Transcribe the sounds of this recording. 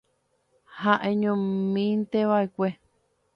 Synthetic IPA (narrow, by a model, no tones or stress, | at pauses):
hãʔẽɲõmĩnt̪eβaekʷe